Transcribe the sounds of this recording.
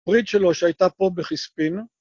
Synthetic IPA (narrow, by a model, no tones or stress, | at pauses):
ʁit̪ʃelo̞ʃeajt̪apo̞beχispin